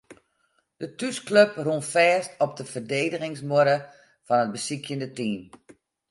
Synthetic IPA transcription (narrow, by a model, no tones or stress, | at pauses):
d̥ətyskløprunfɛːstɔp̚dəfərdeːdəɣɪŋsmoəɾə | fɔnət̚bəsikʰjəndətiːm